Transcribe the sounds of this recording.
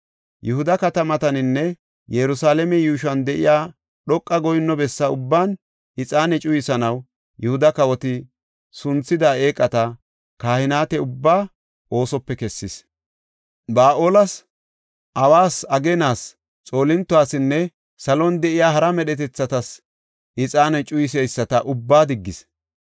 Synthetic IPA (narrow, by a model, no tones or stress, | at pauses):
jʊhʊd̪ɐkɐt̪ɐmɐt̪ɐnɪnːɛ | jɛɾʊsaːlɛmɛjuːʃɐnd̪ɛʔɪjaː | ɗɔkʼːɐɡɔjɪnːɔbɛsːɐʊbːaːn | ɪt͡sʼaːnɛt͡ʃʼʊjɪsɐnɐw | jɛhʊd̪ɐkɐwɔt̪ɪ | sʊnt͡sːɪd̪aːe̞ːkʼːɐt̪ɐ | kaːhɪnaːt̪ɛʊbːaː | ʔo̞ːsɔpːɛkɛsːɪs | baːʔoːlɐs | ʔɐwaːsɐɡenaːs | t͡sʼo̞ːlɪnt̪ːʊwaːsɪnːɛ | sɐlɔnd̪ɛʔɪjaːɦɐɾɐmɛɗɛt̪ɛt͡sːɐt̪ɐs | ɪt͡sʼaːnɛt͡ʃʼʊjɪs̬ɛjsːɐt̪ɐʔʊbːaːd̪ɪɡːɪs